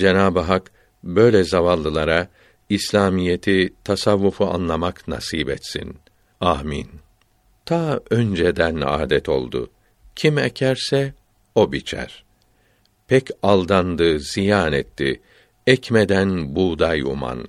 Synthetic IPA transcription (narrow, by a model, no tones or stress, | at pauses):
d͡ʒenaːbɯɦak | bø̞jlʲɛzavalˠːɯlˠaɾa | islʲaːmijet̪ʰit̪ʰasavːufua̰nlˠamakna̰siːbɛ̰t̪sḭn | aːmḭn | t̪ʰaːønd͡ʒed̪æna̰ːd̪ɛt̪ʰo̞̰lˠd̪ʊ̰ | cʰimɛ̰cʰæɾsɛ | o̞bit͡ʃʰæ̰ɾ̥ | pʰɛcalˠd̪and̪ɯz̥ijaːnɛt̪ːi | ɛcmed̪ænbuːd̪ajṵma̰n